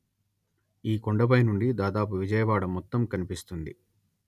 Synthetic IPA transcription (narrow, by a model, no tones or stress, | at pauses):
iːkoɳɖɐbɐjnuɳɖid̪aːd̪aːp̬uʋid͡ʒɐjɐʋaːɽɐmːɔt̪ːɐmkɐnipist̪und̪i